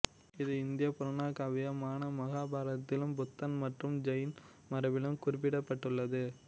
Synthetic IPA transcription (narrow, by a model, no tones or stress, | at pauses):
ɪðɯɪnd̪ɪjɐpʊɾɐɳaːkɐʋɪjɐmaːnɐmɐɣaːbaːɾɐt̪ːɪlɯmbʊt̪ːɐnmɐʈrɯmd͡ʒɐjn | mɐɾɐʋɪlɯmkʊɾɪpːɪɽɐpːɐʈːɯɭːɐðɯ